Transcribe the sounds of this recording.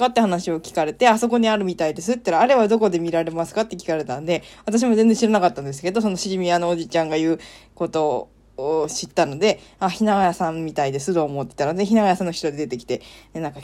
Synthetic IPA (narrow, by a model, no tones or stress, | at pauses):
kat̪ːe̞hanaɕio̞kʲi̥kaɾe̞t̪e̞aso̞ko̞ɲ̟iaɾɯ̟mʲit̪aid̪e̞sɨt̪ːaɾaːɾe̞βad̪o̞ko̞d̪e̞mʲiɾaɾe̞masɨ̥kat̪ːe̞kʲi̥kaɾe̞t̪ãnd̪e̞βat̪aɕ̬imozend͡zẽɕiɾanakat̪ːãnd̪e̞s̬ɨ̥ke̞d̪o̞so̞no̞ɕiʑimʲiano̞od͡ʑit͡ɕãŋɡajɯ̟ːko̞t̪o̞ː | ɕit̪ːano̞d̪e̞açinaɡajasãmːʲit̪aid̪e̞sɨt̪o̞ːmo̞t̪ːet̪aɾe̞çinaɡajasãnːoçi̥t̪o̞d̪e̞d̪e̞t̪e̞kʲi̥t̪e̞nenãŋka